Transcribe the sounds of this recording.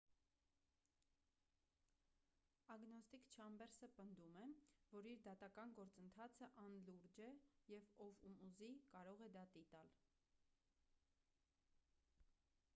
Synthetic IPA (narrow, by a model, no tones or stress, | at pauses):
ɑɡnɔst̪ikt͡ʃʰɑmbɛɾsəpənd̪umɛvɔɾiɾd̪ɑt̪ɑkɑnɡɔɾt͡sənt̪ʰɑt͡sʰəʔɑnluɾd͡ʒɛjɛvɔvumuzikɑɾɔʁɛd̪ɑt̪it̪ɑl